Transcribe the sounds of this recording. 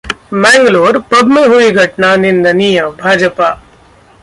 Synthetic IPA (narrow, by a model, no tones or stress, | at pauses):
mɛ̃ːŋɡloːɾpɐb̪meɦuiɡʱɐʈnanɪnd̪ɐnijəbʱaːd͡ʒəpaː